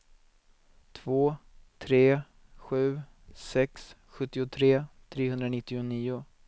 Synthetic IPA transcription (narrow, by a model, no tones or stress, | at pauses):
t̪ʰv̥oːt̪ʰɾeː | ɧʉ̟ː | sɛks | ɧɵt̪ːɪʊt̪ʰɾeːt̪ʰɾeːɦɵnd̪ɾanɪt̪ːɪʊniːʊ